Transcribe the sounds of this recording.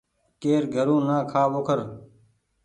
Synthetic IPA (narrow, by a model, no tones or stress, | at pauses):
keːɾɡʱəɾũːnaːkʰaːʋoːkʰəɾ